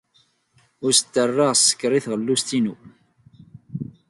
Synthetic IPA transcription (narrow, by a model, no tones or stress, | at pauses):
ʊɾsə̥t̪ːərˤːɑʁsːə̥kːɾˤiθʁəlːust̪inu